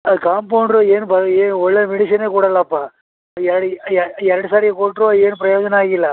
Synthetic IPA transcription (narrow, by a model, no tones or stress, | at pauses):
ɐɯkaːmpɐːnɾoeːnpɐeːɔɭːɐmɪɽɪsɐneːkuːɽaːlaːpːaː | ɛɾɽɛɾɐɽɯsaːɾɪjɐkoːʈɾoeːnɯpɪɾɐjoːd͡ʒɐnɐaːɣɪlːɐ